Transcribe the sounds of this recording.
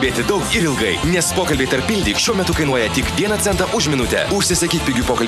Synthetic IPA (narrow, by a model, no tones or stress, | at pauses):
bʲeːt̪ʲɪd̪ɒʊkɪɾɪlˠɡɐɪnʲɛspoːkɐlʲbʲeɪt̪ɐɾpːʲɪlʲd̪ʲiːkʃʲuɔmʲɛt̪ʊkɐɪnuɔjɛt̪ʲɪkdʲiɛnɐt̪sʲɛnt̪ɐʔʊʃmʲɪnʊt̪ʲɛ̰ʊʃʲsʲɪsɐkʲiːt̪̚ʲpʲɪɡʲupoːkɐlʲ